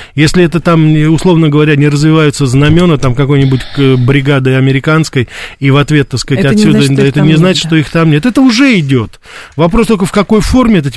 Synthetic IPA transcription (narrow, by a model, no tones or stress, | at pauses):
jesʲlʲɪɛt̪ət̪amʊslˠo̞vnəɡəvɐɾʲanʲɪɾəzvʲɪvajʊt̪səznɐmʲo̞nət̪amkɐko̞jnʲɪbʊtʲbɾʲɪɡad̪ɨɐmʲɪɾʲɪkanskəjivɐt̪vʲe̞t̪ːəskatʲɐt̪ssʲːudd̪əɛt̪ənʲɪznat͡ɕɪ̥t̪ʂt̪o̞ixt̪amnʲe̞t̪ɛt̪əʊʐɛɪdʲot̪ | vɐpɾost̪olkəfkɐko̞jfo̞rmʲɪɛt̪ət